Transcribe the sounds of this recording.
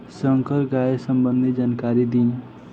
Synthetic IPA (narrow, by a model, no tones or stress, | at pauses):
səŋkəɾɡaesəmbənd̪ʱid͡ʒankaɾid̪in